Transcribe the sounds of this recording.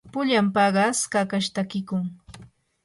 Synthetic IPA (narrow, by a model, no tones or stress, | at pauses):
pʊʎampɑɢɑskakaʃt̪akɪkʊŋ